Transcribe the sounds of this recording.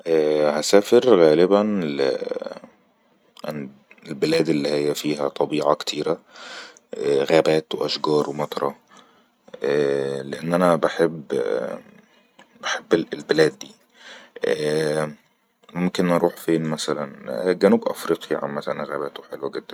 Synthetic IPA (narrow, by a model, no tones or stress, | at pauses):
ʔæːhæsæːfeɾɣæːlɪbæn | ʔn | elbelæːd̪elːihɪjːæfiːɦæt̪ˤɑbiːʕɑkt̪ʰiːɾæ | ʔæɣæːbæːt̪weʔæʃɡɑːɾˤwemɑt̪ˤɾˤɑ | ʔæleʔenːʔænæbeħebː | b̥eħebːlbelæːd̪ːiː | ʔː | momkenʔɑɾˤuːħfeːnmæsælænɡænuːbʔæfɾiːqjaʕa̰mmæsælænɣæːbæːt̪owħelwæɡed̪ːæn